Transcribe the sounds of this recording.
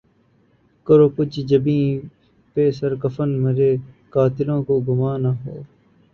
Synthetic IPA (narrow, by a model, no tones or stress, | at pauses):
kəɾoːkʊt͡ʃʰd͡ʒəbĩː | peːsəɾkəfənmeːɾeː | kaːt̪ɪlõːkoːɡʊmaːnaːɦɛː